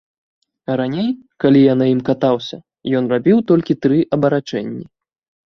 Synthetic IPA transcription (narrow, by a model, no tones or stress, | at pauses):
ɾanʲej | kalʲijanajimkat̪awsʲɐ̰ | jɔnrabʲiwt̪ɔlʲkʲit̪ɾɨʔɐbɐɾat͡ʂɛnʲːi